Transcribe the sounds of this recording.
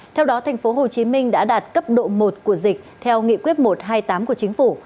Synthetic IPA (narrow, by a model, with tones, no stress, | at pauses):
t̪ʰɛ˧wɗɔ˨˦t̪ʰa˨˩jŋ̟fo˨˦ɦo˨˩t͡ɕi˨˦mï˧ŋ̟ɗa̰ː˧˥ɗaː˨˩t̚kə˦˥p̚ɗo̰˧˨mo˨˩t̚ku˧˩əzï˨˩k̟̚t̪ʰɛ˧wŋḭ˧˨kwi˦˥ət̚mo˨˩t̚ɦaː˧jt̪aː˨˦mku˧˩ət͡ɕï˨˦ŋ̟fu˧˩